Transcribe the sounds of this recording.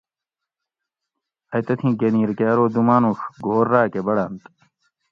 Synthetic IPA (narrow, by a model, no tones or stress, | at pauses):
ɐjt̪ɐt̪ʰĩːɡeniːɾkjaːɾoːd̪umaːnuxɡoːɾːaːkebɐɽaːnt̪